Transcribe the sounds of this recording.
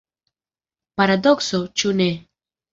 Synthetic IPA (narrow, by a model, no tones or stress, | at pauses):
paɾad̪ɔksot͡ʃune